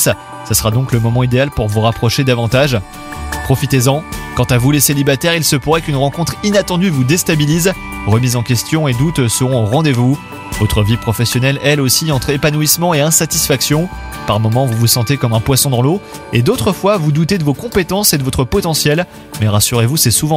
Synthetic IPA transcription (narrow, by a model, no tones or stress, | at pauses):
s | səsəʁad̪ɔ̃kləmɔmɑ̃id̪ealpuʁvuʁapχɔʃed̪avɑ̃t̪aʒ | pχɔfit̪ezɑ̃kɑ̃t̪avuleselibat̪ɛʁilsəpuʁɛkynʁɑ̃kɔ̃t̪χinat̪ɑ̃d̪yvud̪est̪abiliz | ʁəmizɑ̃kʲɛst̪jɔ̃ed̪ut̪səʁɔ̃ʁɑ̃d̪evu | vɔt̪χəvipχɔfɛsjɔnɛlɛlosiɑ̃t̪χepanuismɑ̃eɛ̃sat̪isfaksjɔ̃ | paʁmɔmɑ̃vuvusɑ̃t̪ekɔmɛ̃pwasɔ̃d̪ɑ̃lo | ed̪ot̪χəfwavud̪ut̪ed̪əvokɔ̃pet̪ɑ̃sed̪əvɔt̪χəpɔt̪ɑ̃sjɛl | mɛʁasyʁevusɛsuvɑ̃